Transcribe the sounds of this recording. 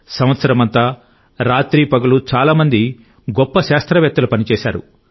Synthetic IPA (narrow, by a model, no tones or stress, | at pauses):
sɐ̃mʋɐt̪sɐɾɐmɐnt̪aː | ɾaːt̪ɾiːpɐɡɐlut͡ʃaːlaːmɐnd̪i | ɡɔpːɐʃaːst̪ɾɐʋjɐk̚t̪ːɐlupɐnit͡ʃɛːʃa̰ːɾṵ